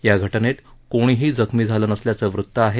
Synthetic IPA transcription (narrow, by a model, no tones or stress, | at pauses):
jaɡʱəʈənet̪koɽ̃iɦiːd͡zəkʰmiːd͡zʱalənəsljat͡səʋɾut̪ːəaɦe